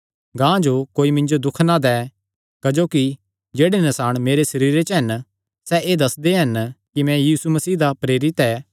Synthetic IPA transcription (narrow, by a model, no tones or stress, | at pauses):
ɡãːd͡ʒokoːimɪ̃ɲd͡ʒod̪ʊkʰnad̪ɛː | kɐd͡ʒoːki | d͡ʒeːɽenɐsaːɽ̃meːɾesɐɾiːɾet͡ʃɦɐn | sɛʔeːd̪ɐsd̪eɦɐnkimɛ̃jiːsumɐsiːd̪apɾeːɾɪt̪ɛː